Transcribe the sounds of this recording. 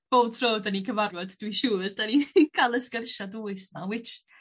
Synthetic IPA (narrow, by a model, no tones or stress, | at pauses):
b̥oːltʰroːdanikʰəvarwɔdd̥wiʃuːrd̥anikʰalˠəskərʃaduːɨsmawɪt͡ʃ